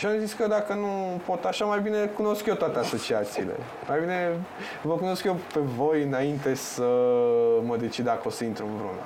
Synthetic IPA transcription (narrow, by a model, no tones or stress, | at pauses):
ʃiazit̪skəd̪akənupo̞t̪aʃamajbine̞kuno̞skjot̪oat̪easo̞t͡ʃiat̪siːle̞̰ | majbine̞ | vəkuno̞skjope̞vo̞jɨnaint̪e̞sə | məd̪e̞t͡ʃid̪akəo̞səint̪ɾuɨnvɾṵnə̰